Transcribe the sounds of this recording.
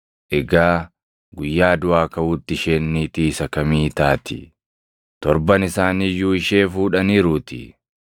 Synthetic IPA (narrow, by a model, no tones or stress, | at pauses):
ʔɛɡaː | ɡʊjːaːd̪ʊʔaːkɐuːt̪ːɪʃeːnːiːt̪iːsɐkɐmiːt̪aːt̪ɪ̰ | t̪ɔɾbɐnɪsaːnijuːɪʃe̞ːfuːᶑɐniːɾuːt̪ɪ̰